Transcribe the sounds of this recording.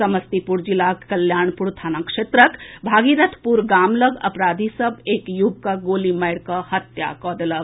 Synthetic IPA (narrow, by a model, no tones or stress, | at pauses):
sɐməst̪ipuɾd͡ʒilaːkkɐljaːɳpuɾt̪ʰaːnãkʂeːt̪ɾəkbʱaːɡiɾɐt̪ʰpuɾɡaːmləɡɐ̰pɾaːd̪ʱisɐbeːkjub̚kaɡoːlimɐjɾkahɐt̪ja̰ːkɔːd̪ələb